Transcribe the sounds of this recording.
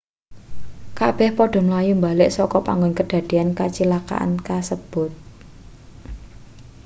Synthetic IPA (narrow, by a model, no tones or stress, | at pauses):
kab̥ɛhpɔɖ̥ɔ̤məlajumbalɪʔsɔkɔpa̰ŋɡʊnkəɖ̪̥a̤d̪̥i̤ankat͡ʃilaka̰ʔa̰nkasəb̥ʊ̤t̪̚